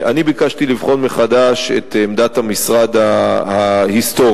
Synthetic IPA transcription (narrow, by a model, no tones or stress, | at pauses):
ʔanibikaʃt̪ilivχo̞nmeχad̪aʃḛt̪emd̪at̪hamisʁad̪ahahist̪o̞